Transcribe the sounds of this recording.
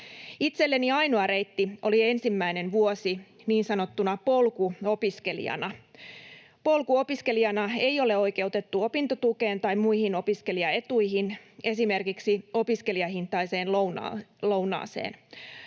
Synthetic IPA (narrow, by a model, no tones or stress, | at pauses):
it̪se̞lːe̞niɑjnoɑɾe̞jt̪ːio̞lie̞nsimːæine̞nʋuosiniːnsɑno̞t̪ːunɑpo̞lkuo̞piske̞lḭɑ̰nɑ | po̞lkuo̞piske̞liɑnɑe̞jo̞le̞o̞jke̞wt̪e̞t̪ːuo̞pint̪ot̪uke̞ːnt̪ɑjmmujhino̞piske̞liɑe̞t̪uiɦine̞sime̞rkiksio̞piske̞liɑɦint̪ːˑɑise̞ːnlnlo̞unɑ̰ːsḛːn